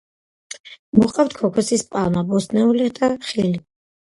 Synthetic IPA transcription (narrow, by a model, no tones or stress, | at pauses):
muqʼaft̪̚ʰkʰɔkʰɛsispʼalˠmabɔsnɛulid̪aχili